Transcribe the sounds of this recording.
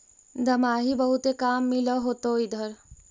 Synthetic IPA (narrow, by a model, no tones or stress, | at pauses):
d̪ʱɐmaːɦibəɦut̪ekaːmːiləɦoːt̪oid̪ʱəɾ